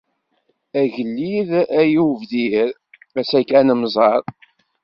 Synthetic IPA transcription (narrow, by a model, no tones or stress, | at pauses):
æʝəlːiðæjuvðiɾ | æsækːænəmzˤɑɾˤ